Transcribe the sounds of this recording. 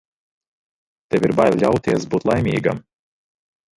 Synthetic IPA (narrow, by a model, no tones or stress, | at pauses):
t̪ɛwʲiɾbajlʎʲa̰wt̪iɛsbuːt̪lˠajmʲḭːɡa̰m